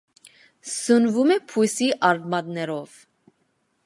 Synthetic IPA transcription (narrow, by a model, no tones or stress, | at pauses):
sənvumɛpʰujsiʔɑɾd̪mɑd̪nɛɾɔv̥